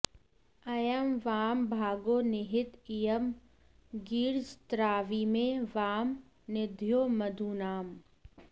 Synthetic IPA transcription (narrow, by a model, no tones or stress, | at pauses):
ɐjəmʋaːmbʱaːɡoːnɪɦɪt̪ijəm | ɡiːɾd͡ʒt̪ɾaːʋiːmẽʋaːm | nɪd̪ʱjoːmɐd̪ʱuːnaːm